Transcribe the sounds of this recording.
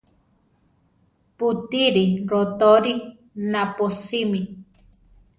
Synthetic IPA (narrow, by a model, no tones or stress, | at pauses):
put̪iɾiɾot̪oɾi | naposimi